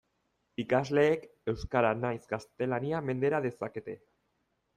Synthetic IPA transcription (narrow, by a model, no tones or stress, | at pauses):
ikazle̞ːke̞wskaɾanajzɡast̪e̞laniame̞nd̪e̞ɾaðe̞sake̞t̪e̞